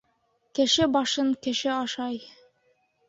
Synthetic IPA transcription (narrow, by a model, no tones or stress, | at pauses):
kɘ̆ʃɘbɑʃɤŋkɘ̆ʃɘɑʃɑj